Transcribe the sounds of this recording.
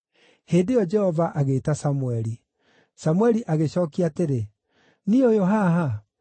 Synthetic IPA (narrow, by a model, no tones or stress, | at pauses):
heːndejɔd͡ʒɛhɔvaʔaɣeːtasamuɛɾi | samwɛɾiʔaɣeɕɔːkiateɾe | niojoɦaɦa